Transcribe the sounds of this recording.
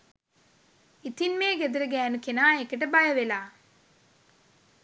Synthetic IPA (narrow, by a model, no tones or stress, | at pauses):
it̪inmeːɡed̪uɾəɡæːnukenaːekəʈəbajəʋelaː